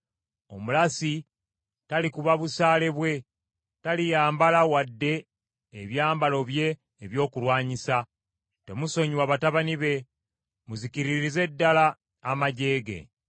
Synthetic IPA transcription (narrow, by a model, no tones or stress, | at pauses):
o̞mulasi | talikuβaβusaːle̞βwe̞ | talijaːmbalawadːe̞ː | βjaːmbalo̞βje̞ː | βjo̞ːkulwaːɲisa | te̞muso̞ɲiwaβataβaniβe̞ | muziciɾiɾize̞dːalaː | maɟe̞ːɡe̞̰